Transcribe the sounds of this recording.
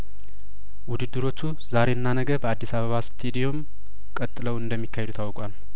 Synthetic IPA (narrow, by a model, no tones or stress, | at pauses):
wʊd̪ɨd̪ːɨɾo̞t͡ʃːu | zaɾe̞ɨnːanəɡəbəad̪ːisaβəβast̪ʰed̪ijo̞m | kʼət̪ʼːɨləwɨnd̪əmːikʰːahed̪ut̪ʰawkʼʷal